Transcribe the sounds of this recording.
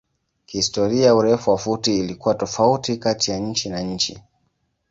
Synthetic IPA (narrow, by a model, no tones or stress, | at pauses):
kihistɔɾiajauɾɛfuwafutiːlikuwatɔfautikatijaɲ̩t͡ʃinaɲ̩t͡ʃi